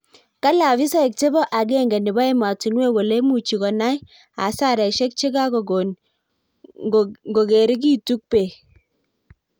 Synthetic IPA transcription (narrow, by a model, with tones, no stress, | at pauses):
ka˦la˨vi˦sa˦i˨k̚te˦bɔ˦ʔa˨ɡe˦˨ŋɡɛ˨nɪ˨ba˦i˦ma˨ti˨nwe˦wɔ˨le˦mu˨t͡ʃi˨kɔ˨na˦j | a̰˨sa˦˨ɾɛ˨ʃe˦k̚t͡ʃe˦ɡa˦kɔ˨ | ɡo˨ɡe˨ɾi˦k̬i˦tu˦k̚pe˨